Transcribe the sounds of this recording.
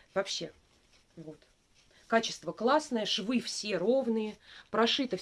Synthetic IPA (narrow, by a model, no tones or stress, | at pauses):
vɐpɕːe̞ | vo̞t̪ | kat͡ɕɪst̪vəklˠasnəjəʂvɨfsʲe̞ɾo̞vnɨjəpɾɐʂɨt̪ə